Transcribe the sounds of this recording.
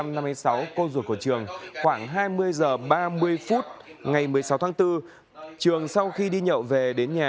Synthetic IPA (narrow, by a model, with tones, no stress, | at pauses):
mna˧mːɨ˧jsa˨˦wko˧zu˨˧˩ku˧˩t͡ɕɨ˨˩əŋxwaː˧˩ŋɦaː˧jmɨ˧əjzəː˨˩ɓaː˧mɨ˧əjfu˦˥t̚ŋa˨˩jmɨ˨˩əjsa˨˦wt̪ʰa˨˦ŋt̪ɨ˧ | t͡ɕɨ˨˩əŋsa˧wxi˧ɗi˧ɲə̰˧˨wve˨˩ɗe˨˦nɲaː˨˩